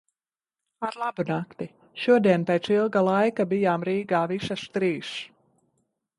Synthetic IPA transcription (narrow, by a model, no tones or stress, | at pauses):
aɾlˠabunakt̪i | ʃuɔd̪iɛnpeːt̪silˠɡalˠajkabijaːmɾiːɡaːvisast̪ɾiːʃ